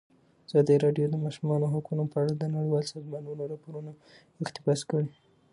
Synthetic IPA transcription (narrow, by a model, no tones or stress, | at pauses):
az̥ɑd̪iɾɑɖjod̪əmɑʃumɑnoɦakunopəaɽad̪ənaɽiwɑlsɑzmanunoɾɑpoɾuna | ɪxt̪ɪfɑskəɽi